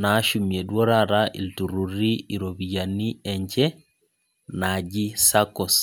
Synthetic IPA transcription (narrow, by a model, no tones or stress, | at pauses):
naʃumiedwoɾaɾaʔḭltuɾuɾiiɾoβijaniɛɲɟɛ | naɟisakos